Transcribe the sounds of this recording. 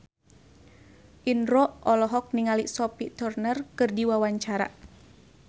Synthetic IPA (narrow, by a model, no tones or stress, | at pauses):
ʔinɾɔʔɔlɔɦɔk̚niŋaliʔsɔpit̪ɔrnərkɨrdiwawaɲt͡ʃaɾa̰